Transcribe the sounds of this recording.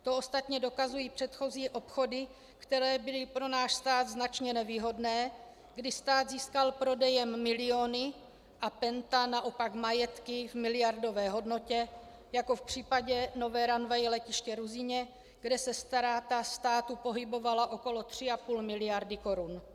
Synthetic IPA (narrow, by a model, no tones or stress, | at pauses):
t̪o̞ʔost̪at̪ɲɛdo̞kazujiːpr̥ɛt̪xo̞ziːʔo̞pxo̞dɪ | kt̪ɛɾɛːbɪlɪpɾo̞naːʃst̪aːd̪znat͡ʃɲɛnɛviːɦo̞dnɛː | ɡdɪst̪aːd̪ziːskalpɾo̞dɛjɛmːɪlɪo̞ːnɪ | ʔapɛnt̪anaʔo̞pakmajɛt̪kɪvmɪlɪjaɾdo̞vɛːɦo̞dno̞cɛ | jako̞fpr̝̥iːpaɟɛno̞vɛːɾanvajlɛcɪʃcɛɾuzɪɲɛ | ɡ̥dɛsɛst̪aɾaːt̪ast̪aːt̪upo̞ɦɪbo̞valaʔo̞ko̞lo̞t̪r̝̥ɪapuːlmɪlɪjaɾdɪko̞ɾun